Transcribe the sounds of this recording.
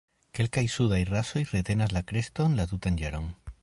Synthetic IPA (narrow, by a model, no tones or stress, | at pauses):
kelkajsuðajraso̞jret̪enazlakɾest̪onlat̪ut̪and͡ʒaɾoŋ